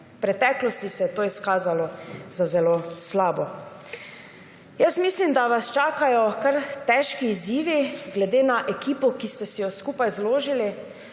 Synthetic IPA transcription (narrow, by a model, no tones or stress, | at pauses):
pɾɛt̪ɛːklɔst̪isɛjɛt̪oːiskaːzalɔzazɛloslaːbɔ | jəsmislimd̪aʋast͡ʃaːkajɔkaɾt̪ɛːʃkiːziːʋiɡlɛd̪eːnaʔɛkiːpɔkist̪ɛsijɔskuːpajzloːʒili